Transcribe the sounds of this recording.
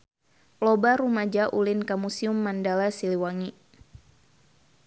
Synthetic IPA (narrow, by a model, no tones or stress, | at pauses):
lobaɾumad͡ʒaʔulɪnkamusiumːandalasiliwaŋi